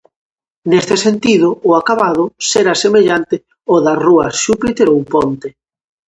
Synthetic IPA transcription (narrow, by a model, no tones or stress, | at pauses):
nest̪esent̪iðʊːakaβað̞ʊseɾasemeʎant̪ɪ | oðaruɐsʃupit̪eɾowpɔnt̪e